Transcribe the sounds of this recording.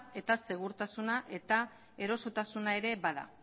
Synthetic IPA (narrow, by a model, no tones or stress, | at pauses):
e̞t̪ase̞ɣ̞uɾt̪asunaʔe̞t̪a | e̞ɾo̞so̞t̪asunae̞ɾe̞βaða̰